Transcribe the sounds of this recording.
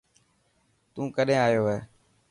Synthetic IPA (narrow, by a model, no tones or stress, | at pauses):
t̪ũːkəɗẽːaːjoːɦeː